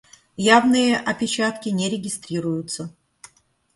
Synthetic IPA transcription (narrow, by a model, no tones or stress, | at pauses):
javnɨjəʔɐpʲɪt͡ɕat̪kʲɪnʲeɾʲɪɡʲɪst̪ɾʲiɾʊjʊt̪sə